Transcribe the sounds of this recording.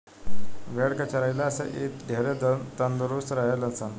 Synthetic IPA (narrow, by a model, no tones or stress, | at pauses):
ʋeɽkət͡ɕaɾajlaːsə̰ʔḛt̪d̪ʱeɾedt̪ənd̪ɾust̪ɾaɦeləsan